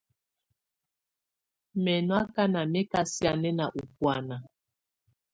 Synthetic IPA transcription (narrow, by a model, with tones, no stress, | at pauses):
mɛ˨nwa˦ka˦na˨mɛ˦ka˦sja˦˨nɛ˦na˨ʔu˨pwa˨na˨